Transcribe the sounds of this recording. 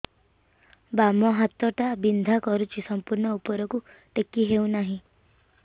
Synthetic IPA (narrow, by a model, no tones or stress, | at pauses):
bamɔɦat̪ɔʈabind̪ʱakɔɾut͡ʃʰisɔmpuɾɳɔupɔɾɔku | ʈekːiɦew̃naɦĩ